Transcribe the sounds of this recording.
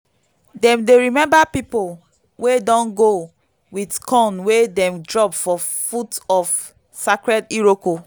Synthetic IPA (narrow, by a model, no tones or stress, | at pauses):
dɛ̃mdeɹimɛ̃mbapipol | wedɔ̃nɡo | widkʰɔ̃nwedɛ̃mdɹɔpfɔ | futɔf | sakɹɛdiɹoko